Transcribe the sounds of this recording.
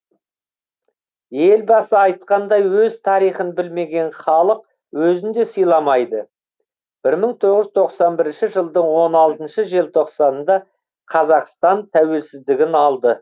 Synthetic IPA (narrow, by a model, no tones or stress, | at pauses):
je̞lbɑsəɑjt̪qɑnd̪ɑjwɵzt̪ʰɑɾijχənbɪlme̞ɡʲe̞nχɑlˠəq | wɵzɪnd̪e̞səjlˠɑmɑjd̪ə | b̥ɪɾməɴt̪ʰo̞ʁəzt̪ʰo̞qsɑnbɪɾɪnʃɪʒəlˠd̪əɴwo̞nɑlˠt̪ənʃəʒe̞lt̪ʰo̞qsɑnnd̪ɑ | qʰɑzɑqst̪ɑnt̪ʰæwe̞lsɪzd̪ɪɡʲɪnɑlˠd̪ə